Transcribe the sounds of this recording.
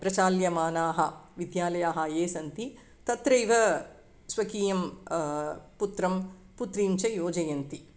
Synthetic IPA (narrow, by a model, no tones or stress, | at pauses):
pɾɐt͡ʃaːljɐmaːnaːɦɐʋid̪jaːlɐjaːɦɐjeːsɐnt̪i | t̪ɐt̪ɾɐjʋɐ | sʋɐkiːjɐm | put̪ɾɐm | put̪ɾiɲt͡ʃɐjoːd͡ʒɐjɐnt̪i